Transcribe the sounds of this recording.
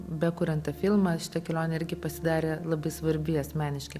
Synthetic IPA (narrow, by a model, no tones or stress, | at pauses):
bʲɛkʊɾʲɛnt̪ɐfʲɪlˠmɐʃʲɪ̥t̪ɐkʲɛlʲoːnʲeɪɾʲɡʲɪpɐsʲɪd̪ɑːɾʲeːlˠɐbɐɪsʋɐɾʲbʲɪɐsʲmʲæːnʲɪʃʲkʲɐɪ